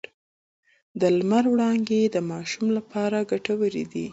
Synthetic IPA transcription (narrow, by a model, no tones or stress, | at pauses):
d̪əlmaɾwɽɑnɡed̪əmɑʃumlapɑɾaɡaʈawəɾḭd̪i